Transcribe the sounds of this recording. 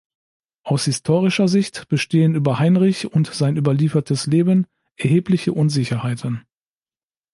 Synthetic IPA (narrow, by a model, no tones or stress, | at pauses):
ʔaʊshɪstʰoːʁɪʃɐzɪçtb̥əʃteːənyːbɐhaɪnʁɪçʊntz̥aɪnʔyːbɐliːfɐtʰəsleːbən | ʔɛɐɦeːplɪçəʔʊnzɪçɐhaɪtʰən